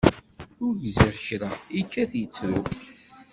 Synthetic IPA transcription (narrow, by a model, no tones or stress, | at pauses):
ʊɾʝziʁçɾaikːæθjət͡sːɾʊ